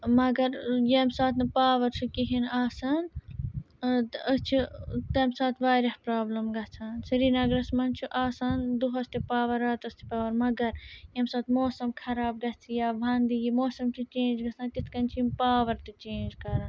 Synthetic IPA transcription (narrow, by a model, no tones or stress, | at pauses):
mɐɡɐɾjeːmsaːt̪ʰnɐpaːʋɐɾt͡ʃʰukiɦinaːsaːn | t̪əst͡ʃʰit̪ɐmsaːt̪ʰʋaːɾɐhpɾaːblɐmɡɐt͡sʰaːnsɐɾiːnɐɡɾɐsmɐnt͡ʃʰiʔaːsaːnd̪uɦɐst̪epaːʋɐɾaːt̪ɐst̪ʰi̥paːʋɐɾmɐɡɐɾjemsaːt̪ʰmoːsɐmkʰɐɾaːb̚ɡɐt͡sʰijaːʋʱɐnd̪ijimoːsɐmt͡ʃʰit͡ʃeːnd͡ʒɡɐt͡sʰaːnt̪it̪ʰkɐnt͡ʃʰimpaːʋɐɾt̪it͡ʃẽːnd͡ʒkɐɾan